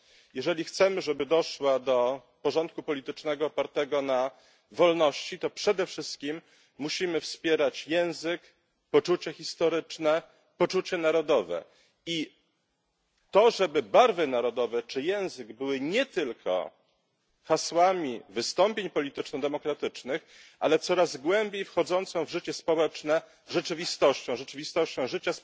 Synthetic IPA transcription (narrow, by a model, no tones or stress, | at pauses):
jɛʐɛlʲixt̪sɛmɘʐɛbɘd̪ɔʂwad̪ɔ | pɔʐɔnt̪̚kupɔlʲit̪ɘt͡ʂnɛɡɔːpaɾt̪ɛɡɔna | vɔlnɔɕt͡ɕit̪ɔpʂɛd̪ɛfʂɘst̪kʲimː | uɕimɘfspʲjɛɾat͡ɕjɛ̃w̃zɘk | pɔt͡ʂut͡ɕɛxʲist̪ɔɾɘt͡ʂnɛ | pɔt͡ʂut͡ɕɛnaɾɔd̪ɔvɛ̰ | i | t̪ɔʐɛbɘbaɾvɘnaɾɔd̪ɔvɛt͡ʂɘjɛ̃w̃zɘɡbɘwɘɲɛt̪ɘlkʰɔ̰ | xaswamʲivɘst̪ɔmpʲjeɲpɔlʲit̪ɘt͡ʂnɔd̪ɛmɔkɾat̪ɘt͡ʂnɘxʔalɛt̪sɔɾazɡwɛmbʲjejfxɔd̪zɔnt̪sɔ̃w̃vʐɘt͡ɕɛspɔwɛt͡ʂnɛ | ʐɛt͡ʂɘvʲist̪ɔɕt͡ɕɔ̃w̃ʐɛt͡ʂɘvʲist̪ɔɕt͡ɕɔ̃w̃ʐɘt͡ɕas